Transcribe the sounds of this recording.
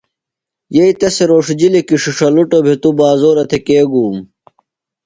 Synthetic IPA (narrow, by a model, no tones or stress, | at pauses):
jeit̪ɐseɾoːʂd͡ʑilekiʂiʂɐluʈobʱet̪ubaːzoːɾɐt̪ʰekeːɡuːm